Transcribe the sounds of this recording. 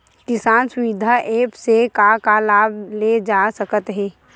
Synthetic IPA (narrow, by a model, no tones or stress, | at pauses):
k̪ɪsaːnsʊwid̪ʱaʔeːpsekakalaːb̚ʱled͡ʒasəkət̪ɦɛː